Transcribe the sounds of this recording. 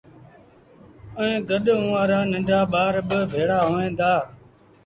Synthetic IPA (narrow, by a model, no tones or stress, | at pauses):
əẽːɡəɗʊ̃ːaːɾaːnə̃ɳɖʱaːɓaːɾbɪbʱeːɽaːɦoːẽːd̪aː